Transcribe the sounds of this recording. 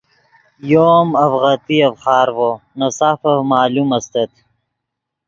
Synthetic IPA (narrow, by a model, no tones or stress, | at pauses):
joːmɐfʁat̪iɐfχɑːɾwonɐsafɐmaːlumɐst̪ɐt̪